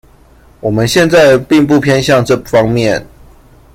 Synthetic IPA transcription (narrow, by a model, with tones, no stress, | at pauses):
wɔ˨˩mə˦nɕjɛ˥˧nt͡sa˥˧ɪpi˥˧ŋp̬u˥˨pʰjɛ˥nɕjɑ˥˨ŋʈ͡ʂɤ˥˨fɑ˦ŋmjɛ˥˨n